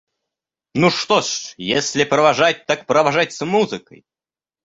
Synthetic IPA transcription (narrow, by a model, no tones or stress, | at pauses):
nuʂt̪oʂjesʲlʲɪpɾəvaʐat̚ʲt̪akpɾəvaʐatʲsmuzɨkə̰j